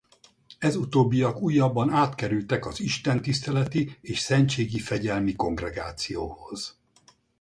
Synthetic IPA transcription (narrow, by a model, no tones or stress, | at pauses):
ɛzut̪oːbːijɒkuːjːɒbːɒnaːt̪kɛɾylt̪ɛkɒziʃt̪ɛnt̪ist̪ɛlɛt̪ieːʃsɛɲt͡ʃeːɡifɛɟɛlmiko̞ŋɡrɛɡa̰ːt̪sijoːho̞z̥